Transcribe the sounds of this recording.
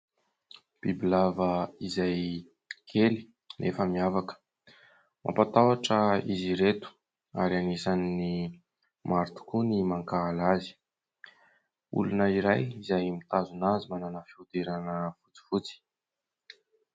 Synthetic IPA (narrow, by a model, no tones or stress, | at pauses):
b̥ibilavəizaj | kʰeli̥ | nefəmiavakə̥ | mʔa̰pat̪awaʈ͡ʂəiziɾet̪u̥ | a̰ɾianesanini | maɾt̪u̥kunimaŋkaːlazi̥ | ṵlunəiɾajizajmit̪azunazimananəfiut̪eɾanəfu̥t͡si̥fut͡si̥